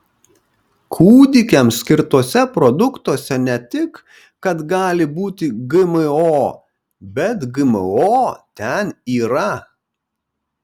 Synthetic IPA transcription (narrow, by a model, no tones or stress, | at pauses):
kʰuːd̪ʲɪkʲɛmsʲkʲɪɾt̪uɔsʲɛpɾɔd̪ʊkt̪uɔsʲɛnʲɛt̪ʲɪk | kːɐt̪ɡɑːlʲɪbuːt̪ʲɪɡɪmɨoː | bʲɛt̪ɡɨmɨ̰oːt̪ʲɛniːɾɐ